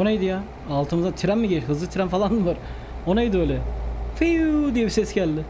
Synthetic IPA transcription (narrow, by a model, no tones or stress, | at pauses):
oajd̪ijaː | lˠt̪ʰɯmɯzd̪at̪ʰiɾæmːiɟeɦɯzlˠɯt̪ʰiɾæmfalˠanmɯvaɾ | onajd̪ɪøjlʲɛfijud̪ijɛbisɛsɟælʲd̪ɪ